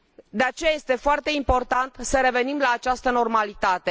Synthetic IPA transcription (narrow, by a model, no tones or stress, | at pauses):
d̪e̞at͡ʃe̞jaje̞st̪e̞foart̪e̞impo̞rt̪ant̪səɾe̞ve̞nimlaːt͡ʃast̪əno̞rmalit̪at̪e̞